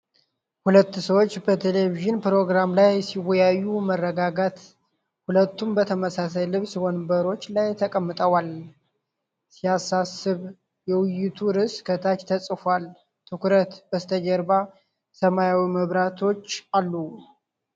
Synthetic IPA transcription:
hulət̪ːsəwo̞t͡ʃːbət̪ʰeleviʒɨnpɾo̞ɡɾamlajsiwɔjajːumərːəɡaɡat̪ | hulət̪ːumbət̪ʰəməsasajlɨβswonbəɾo̞t͡ʃːlajt̪ʰəkʼəmːɨt̪ʼəwal | sijasasɨβ | jɛwʊjːɪt̪ʰuɾɨskʰət̪ʰat͡ʃt̪ʰəsʼfal | t̪ʰɨkuɾət̪bəst̪ʰəd͡ʒəɾba | səmajawiməβɾat̪ʰo̞t͡ʃːalːu

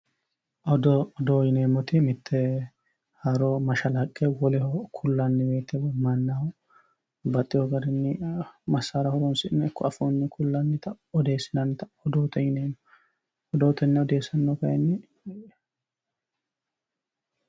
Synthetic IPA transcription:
ɔd̪ɔd̪ɔjɪneːmːɔt̪ɪmɪt̪ʰːɛ | hɐɾɔmɐʃɐlɐkʼːɛwɔlɛhɔkʰʊlːɐnːɪbe̞ːt̪ʰːɛbɔmɐnːahɔ | bɐt̪ʼːɪhɔɡɐɾɪnːɪmɐsːaɾɐhɔɾɔnsɪnɛɪkʰːɔɐfonːɪkʰʊlːɐnːɪt̪ɐ | ɔd̪e̞ːsɪnɐnːt̪ɐ̥ɔd̪oːt̪ɔjɪneːmɔ | ɔd̪oːt̪ɛnːɪɔd̪e̞ːsɐnːɔkɐjɛnːɪ

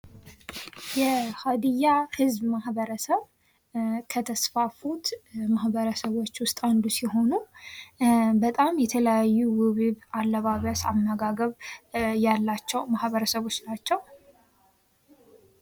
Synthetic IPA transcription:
jɛhad̪ijahɨzbmahbəɾəsəβ | kʰət̪ʰəsfafut̪mahbəɾəsəβo̞t͡ʃːwʊst̪ʼand̪usiɦo̞nu | bət̪ʼamjɛt̪ʰələjajːuwɨβɨβalːəβaβəsamːəɡaɡəβjalːat͡ʃːɛwmahβəɾəsəβo̞t͡ʃːnat͡ʃːɛw

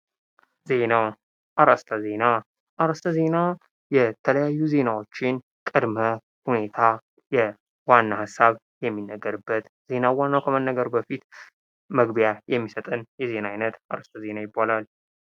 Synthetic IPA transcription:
ze̞na | ʔaɾast̪ʰəze̞na | ʔaɾəst̪ʰəze̞na | jɛt̪ʰələjajːuze̞nawot͡ʃːɪn | kʼɨd̪mə | hune̞t̪ʰa | jɛ | wanːahasːaβ | jɛmːinːəɡːəɾɨbːət̪ | z̥e̞nawanːawkʰəmənːəɡəɾbəfit̪ | məɡbjajɛmːisət̪ʼɨnjɛze̞naajnət̪ʔaɾəst̪ʰəze̞najɪbːalal

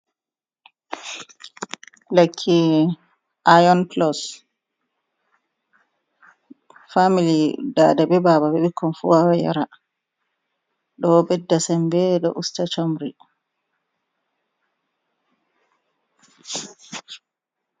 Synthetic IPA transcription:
lakʰːi | ʔajɔnplɔs | familidadabɛbababɛɓikʰːɔnfṵwawɛja̰ɾa | ɗɔbɛdːasɛmbɛɗɔ̰ʔustat͡ʃomɾi

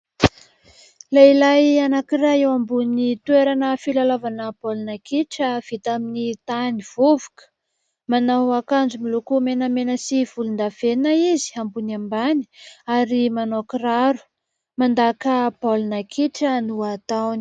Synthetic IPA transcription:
lailajanakiraewambunit̪weɾanəfilalavanəb̥olnakiʈ͡ʂəv̥it̪aminit̪aniv̥uvukə̥ | manawakand͡ʒumilukumenəmenəsiv̥ulund̪av̥enaizi̥ambunambani̥aɾimanokraɾu̥ | mand̪akəbolnakʰiʈ͡ʂənuat̪awni̥

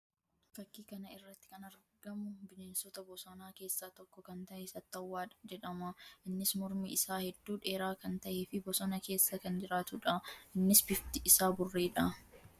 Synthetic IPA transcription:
fɐkːiːkɐnɐɪrːɐt̪ːɪ̥kɐnɐɾɡɐmʊbɪneːnsɔt̪ɐbɔsɐnaːke̞ːsːaːt̪ɔkːɔkɐnt̪ɐʔeːsɐt̪ːɐwːaːᶑd͡ʒɛᶑɐmɐʔɪnːɪsmɔɾmiɪsaːhɛd̪ːuːᶑe̞ːɾaːkɐnt̪ɐʔeːfɪbɔsɐnɐke̞ːsːɐkɐnd͡ʒɪɾaːt̪ʊᶑɐʔɪnːɪsbɪft̪ɪʔɪsaːbʊrːeːᶑɐ

